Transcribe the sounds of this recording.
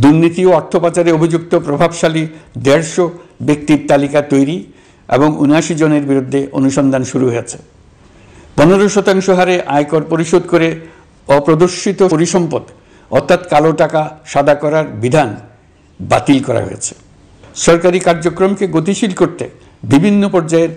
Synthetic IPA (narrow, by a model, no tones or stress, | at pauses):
d̪uɾnit̪ioɔɾt̪ʰːopat͡ɕaɾeobʱid͡ʑuk̚t̪opɾobʱabʃalid̪eɾʃobek̚t̪iɾt̪alikat̪ojɾi | ḛboŋunaʃid͡ʑoneɾbiɾud̪ʱːeʔo̰nuʃɔnd̪ʱanʃuɾuɦojet͡ɕʰe̥ | pɔneɾoʃɔt̪aŋʃoɦaɾeʔajkoɾpoɾiʃod̪koɾe | ɔpɾod̪oɾʃit̪oɾiʃɔmpod̪ | ɔ̰ɾt̪ʰːat̪kaloʈakaʃad̪ʱakɔɾaɾbid̪ʱan | ba̰t̪ilkɔɾa̰ɦo̰jet͡ɕʰe̥ | ʃɔɾkaɾikaɾd͡ʑokɾomkeɡot̪iʃilkoɾt̪e | bibʱinːopɔɾd͡ʑaeɾ